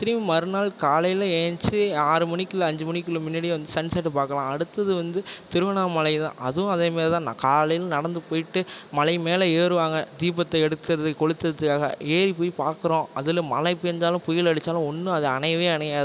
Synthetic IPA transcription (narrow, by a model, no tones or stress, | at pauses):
t̪ɪɾimmɐɾɯnaːlkaːlɐjɪlɐeːnt͡ʃɯaːɾɯmɐnɪkːɪlɐɐɲd͡ʒɯmɐnɪkːɪlɯ̃mɪnːɐɽɪʋɐnd̪ɯsɐɳɖsɐʈːɯpaːɾkɐlãːɐɽɯt̪ːɐðɯʋɐnd̪ɯt̪ɪɾɯʋɐɳaːmɐlɐɪðã̰ːʔɐðɯʊ̃ɐðeːmeːɾt̪ãːnãːkaːlɐjɪlnɐɽɐnd̪ɯpoːjɪʈːɯmɐlɐɪmeːlɐeːɾɯʋaːŋɡɐd̪iːbɐt̪ːɐɛɽɯt̪ːɯɾɐðɯkɔɻɯt̪ːɯɾɐðɯkːaːɣɐ̰ʔeːɾipoːjpaːɾkɯɾõːɐðɪlɯmɐlɐɪpːɯɛnd̪aːlɯ̃pʊjɪlɐɽɯt͡ʃːaːlʊ̃ɔnːɯɐðɯɐɳɐɪjɐʋeːɐnɐjaːð